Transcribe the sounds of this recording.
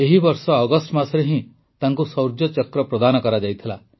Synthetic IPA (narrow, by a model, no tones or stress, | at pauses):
eɦibɔɾsɔːɡɔsʈmasɔɾeɦĩ | t̪aŋkusɔwɾd͡ʒjɔt͡ʃɔkɾɔpɾɔd̪anɔkɔɾad͡ʒajt̪ʰila